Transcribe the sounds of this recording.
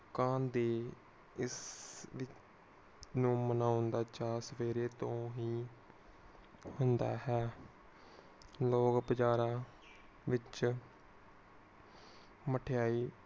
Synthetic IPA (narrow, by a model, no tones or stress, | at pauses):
kãːnd̪eː | ɪsʋɪt͡ʃ | nũːmənaːʊnd̪aːt͡ʃaːsəʋeːɾeːt̪õːɦiː | hʊnd̪a̰ːɦɛː | loːkbəd͡ʒaːɾãː | ʋɪt͡ʃ | məʈʰejaːiː